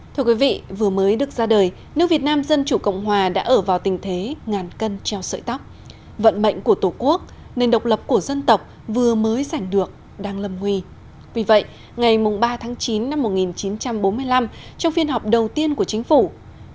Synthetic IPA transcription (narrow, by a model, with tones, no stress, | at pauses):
t̪ʰɨ˧ə˧kwi˨˦vḭ˧˨vɨ˨˩əməː˨˦jɗɨ˨˩ək̚zaː˧ɗəː˨˩j | nɨ˦˥k̚vi˨˩ət̚naː˧mzə˧nt͡ɕu˧˩kə̰˧˨wŋ͡mɦwaː˨˩ɗa̰ː˧˥ʔəː˧˩vaː˨˩wt̪ï˨˩ŋ̟t̪ʰe˨˦ŋaː˨˩nkə˧nt͡ɕɛ˧wsə̰ː˧˨jt̪a˦˥k͡p̚ | və̰˧˨nmə̰˧˨jŋ̟ku˧˩ət̪o˧˩ku˦˥ək̚ | ne˧˩nɗə˨˩wk͡p̚lə˨˩p̚ku˧˩əzə˧nt̪ə˨˩wk͡p̚ | vɨ˨˩əməː˨˦jza˧˩jŋ̟ɗɨ˨˩ək̚ | ɗaː˧ŋlə˨˩mŋwi˧˩ | vi˨˩və̰˧˨j | ŋa˨˩jmʊ˨˩ŋ͡mɓaː˧t̪ʰaː˨˦ŋt͡ɕi˨˦nːa˧mːo˨˩t̚ŋi˨˩nt͡ɕi˨˦nt͡ɕa˧mɓo˨˦nmɨ˧əjla˧mt͡ɕɔ˧wŋ͡mfi˧ənɦɔ˨˩p̚ɗə˨˩wt̪i˧ənku˧˩ət͡ɕï˨˦ŋ̟fu˧˩